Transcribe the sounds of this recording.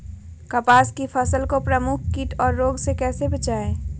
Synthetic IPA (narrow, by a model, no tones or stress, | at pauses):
kɐpaːskifʰəsəlkopɾəmʊk̚ʰkiʈʰɔːɾːoːɡsekɛːsebɐt͡ʃaːeː